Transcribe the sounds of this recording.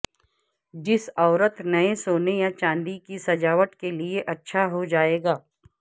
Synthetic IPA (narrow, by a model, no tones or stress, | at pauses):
d͡ʒɪsɔːɾət̪nɐesoːnejat͡ʃãːnd̪ikisɐd͡ʒaːʋəʈkelieʔɐtːʃʰaɦod͡ʒaːeːɡaː